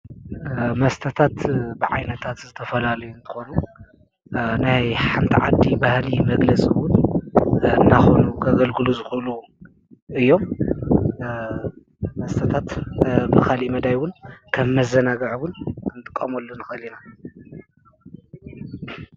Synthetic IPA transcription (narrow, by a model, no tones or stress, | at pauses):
mɐst̪ʰɐt̪ʰat̪bɨʕa̰jnɐt̪ʰat̪zɨt̪ʰɐfɐlalɐjunt̪ʰɨ̥xo̞nu | najħamt̪ʰiʕad̪ːibahlimɐɡlɐt͡sʼiwʊn | ɨnːaxo̞nukʰɐɡɐlɡɨluzɨxulu | ɨjːo̞m | mɐst̪ʰɐt̪ʰat̪bɨxalimɐd̪ajwʊnkʰɐmːɐzɐnaɡɐʕwʊnkʰɨnt̪ʼɨkʼːɐmolːonɨxɐlina